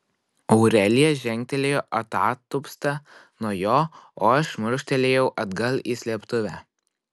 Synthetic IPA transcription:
ɔʊɾʲɛlʲɪjɛʒʲɛŋʲk̚ʲt̪ʲɛlʲeːjoːʔɐt̪ɑːt̪ːʊpst̪ɐ | nuɔjoːoːɐʃmʊɾʃʲt̪ʲɛlʲeːjɛʊʔɐd̪ɡɐlˠiːsʲlʲiɛpt̪ʊʋʲæː

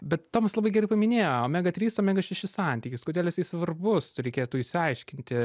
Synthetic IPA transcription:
bʲɛt̪toːmɐslˠɐbɐɪɡʲɛrɐɪpɐmʲɪnʲeːjoːmʲæːɡɐt̪ʲɾʲiːsoːmʲæːɡɐʃʲɛʃʲɪsɐˑnʲt̪ʲiːkʲɪskoːdʲeɛlʲˠjɪsɐɪsʋɐrbʊsɾʲɛɪkʲeːjt̪uːɪʃʲsʲɪɐɪʃʲkʲɪnʲt̪ʲɪ

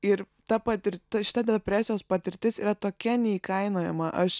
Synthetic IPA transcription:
ɪɾ | t̪ɐpɐt̪ʲɪɾʲɐʃʲɪ̥t̪ɐd̪ʲɛɐpʲɾʲæːsʲɪjoːspɐt̪ʲɪɾʲt̪ʲɪsiːɾɐt̪oːkʲɛnʲɛiːkɐɪnoːjɛ̰mɐʔɐʃ

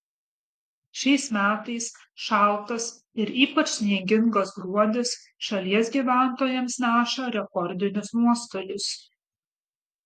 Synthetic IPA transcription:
ʃʲɛɪsmʲæːt̪ɐɪs | ʃɑˑlˠt̪ɐs | ɪɾiːpɐt͡ʃsnʲiɛɡʲɪŋɡoːsɡɾuɔd̪ʲɪs | ʃɐlʲiɛsɡʲiːʋʲæˑnt̪oːjɛmsnʲæːʃɐɾʲɛkɔɾʲd̪ʲɪnʲʊsnuɔst̪oːlʲʊs

